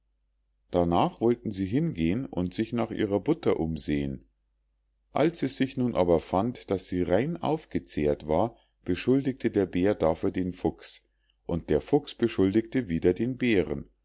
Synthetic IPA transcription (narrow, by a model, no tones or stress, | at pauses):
d̥anaːχv̥ɔltn̩ziːɦɪnɡeːənʔʊ̰ntz̥ɪçnaːχʔḭːʁɐbʊtɐʔʊmzeːən | ʔa̰lsisz̥ɪçnuːnʔa̰ːbɐfantd̥asz̥iːʁaɪnʔa̰ʊfɡ̥ət͡seːɐtv̥aːɐ | b̥əʃʊldɪk̚tʰədeːɐbeːɐdaːfyːɐdeːnfʊks | ʔʊnt̚d̥eːɐfʊksb̥əʃʊldɪktəviːdɐdeːnbeːʁən